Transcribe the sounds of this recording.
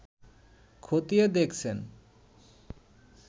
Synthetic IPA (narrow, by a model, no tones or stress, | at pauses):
kʰot̪ied̪ekʰt͡ɕʰen